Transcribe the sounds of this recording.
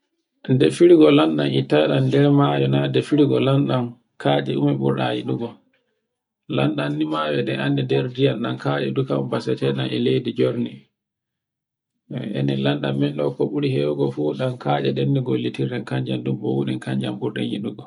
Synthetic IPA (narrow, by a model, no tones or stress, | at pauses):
ndɛfiɾiɡɔlanɗanitaɗandɛɾmajɔnadɛfiɾiɡɔlanɗam | kʰaːd͡ʒɛumɛɓṵɾɗa̰jḭɗuɡɔ | lanɗanːimawɛɗɛʔandɛdɛɾdijanɗankaːd͡ʒɛ̰dukaumbasɛtɛɗanɛlejdid͡ʒoɾni | ʔɛ̰nɛlanɗamːɛnɗɔ̰kːɔɓuɾihɛwɡɔfuɗankaːd͡ʒɛɗɛnːiɡolːitiɾɛnkaɲd͡ʒamdumbɔwuɗɛnkaɲd͡ʒamɓuɾɗa̰njḭɗuɡɔ